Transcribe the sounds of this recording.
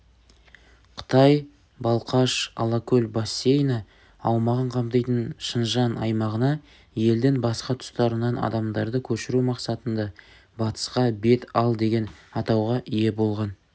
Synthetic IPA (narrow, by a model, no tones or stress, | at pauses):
qʰə̥t̪ɑj | bɑlˠqɑʃɑ̰lˠɑkʲʰɵlʲbosʲːe̞jnɑ | ɑwmɑʁəɴqʰɑmt̪ɑjt̪ənʃənʒɑnɑ̰jmɑʁənɑ | je̞ld̪ɪŋbɑsqɑt̪ʰʊ̥st̪ɑɾənɑnɑ̰d̪ɑmd̪ɑɾd̪əkʲʰɵʃɪɾumɑqsɑt̪ənd̪ɑ | bɑt̪ə̥sqɑbe̞t̪ɑlˠd̪e̞ɡʲe̞nɑt̪ɑwʁɑʔije̞bo̞lˠʁɑn